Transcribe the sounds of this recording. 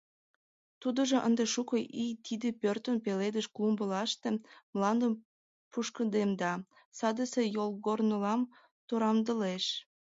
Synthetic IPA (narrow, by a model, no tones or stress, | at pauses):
t̪ud̪ə̆ʒoʔə̰nd̪eʃukoʔit̪id̪epørt̪ənpeled̪əʃklumbəlɑʃt̪emlɑnd̪əm | puʃkənd̪emd̪ɑ | sɑd̪əsejolɣornəlɑm | t̪oɾɑmd̪əleʃ